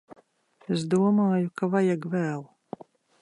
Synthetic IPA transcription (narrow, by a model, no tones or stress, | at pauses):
es̬d̪uɔmaːjukavajaɡvæːlˠ